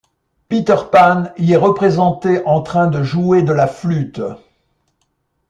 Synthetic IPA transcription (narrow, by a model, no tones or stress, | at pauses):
pit̪œʁpaniɛʁəpχezɑ̃t̪eʔɑ̃t̪χɛ̃d̪əʒued̪əlaflyt̪